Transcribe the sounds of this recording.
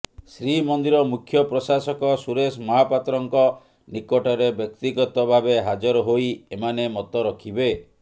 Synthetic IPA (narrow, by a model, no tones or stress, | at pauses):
sɾimɔnd̪iɾɔmukʰjɔpɾɔsasɔkɔsuɾesmɔɦapat̪ɾɔŋkɔ | nikɔʈɔɾebjɔk̚t̪iɡɔt̪ɔbʱabeɦad͡ʒɔɾɔɦoiemanemɔt̪ɔɾɔkʰibe